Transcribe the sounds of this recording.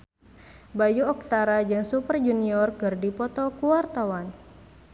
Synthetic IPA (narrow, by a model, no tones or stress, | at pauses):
bajuɔk̚t̪aɾad͡ʒɨŋsupərd͡ʒuniɔrkɨrdipɔt̪ɔkuwart̪awan